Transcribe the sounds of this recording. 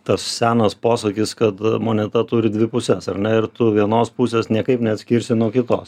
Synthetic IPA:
t̪ɐssʲæːnɐspoːsɐkʲiskɐt̪moːnʲɛt̪ɐt̪uːɾʲɪd̪ʲʋʲɪpʊsʲɛsɐrnʲɛɪɾt̪ʊʋʲiɛnoːspʊsʲeːsnʲiɛkɐɪpnʲɛɐt̪sʲkʲɪɾʲsʲɪnuɔkʲɪt̪o̰ːs

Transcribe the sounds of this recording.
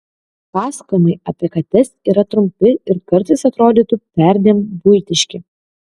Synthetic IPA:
pɑːsɐ̥komʲɛɪɐpʲɛkɐt̪ʲɛsiːɾɐt̪ɾʊmʲpʲɪɪɾkɐɾt̪ɐɪsɐt̪ɾoːd̪ʲiːt̪ʊpʲæˑɾʲd̪ʲeːmbʊɪt̪ʲɪʃʲkʲɪ

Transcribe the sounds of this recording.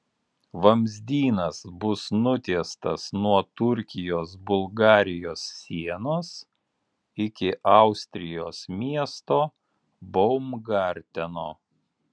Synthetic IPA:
ʋɐmʲzʲd̪ʲiːnɐsbʊsnʊt̪ʲiɛst̪ɐsnuɔt̪ʊɾʲkʲɪjoːs̬bʊlˠɡɑːɾʲɪjoːsːʲiɛnoːs | ɪkʲɪʔɑˑʊsʲt̪ʲɾʲɪjoːsmʲiɛst̪oː | bɔʊmɡɑˑɾʲt̪ʲɛnoː

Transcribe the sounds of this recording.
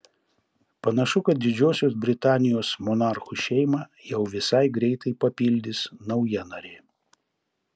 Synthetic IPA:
pɐnɐʃʊkɐt̪̚d̪ʲɪd͡ʒʲoːsʲoːs̬bʲɾʲɪt̪ɑːnʲɪjoːsmɔnɑɾxuʃʲɛɪmɑːjɛʊʋʲɪsɐɪɡɾʲɛɪt̪ɐɪpɐpʲɪlʲd̪ʲɪsnɐʊjɛnɐɾʲe

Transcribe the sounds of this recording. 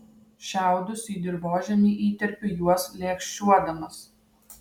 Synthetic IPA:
ʃʲæˑʊd̪ʊsiːd̪ʲɪɾboːʒʲɛmʲiːʔiːt̪ʲɛɾʲpʲɪjuɔslʲeːkʃʲt͡ʃʲuɔd̪ɐmɐs

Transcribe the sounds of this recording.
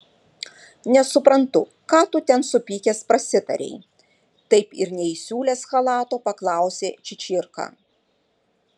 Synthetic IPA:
nʲɛsʊpɾɐnt̪ʊ | kɑːt̪ʊt̪ʲɛnsʊpʲiːkʲespɾɐsʲɪt̪ɐ̰ɾʲɛ̰ɪ | t̪ɐɪpɪɾnʲɛɪsʲuːlʲeːsxɐlˠɑːt̪oːpɐklˠɑˑʊsʲeːt͡ʃʲɪt͡ʃʲɪɾkɑ̰ː

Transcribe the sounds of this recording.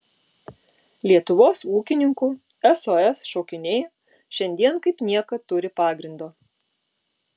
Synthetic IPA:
lʲiɛt̪ʊʋoːsuːkʲɪnʲɪŋkʊɛsoːɛsʃoːkʲɪnʲeːj | ʃʲɛnʲd̪ʲiɛnkɐɪpnʲiɛkɐt̪ʊɾʲɪpɑːɡɾʲɪnd̪oː

